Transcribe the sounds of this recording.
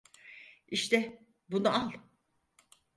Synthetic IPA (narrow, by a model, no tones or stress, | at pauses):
iʃt̪ʰɛ | bunualˠ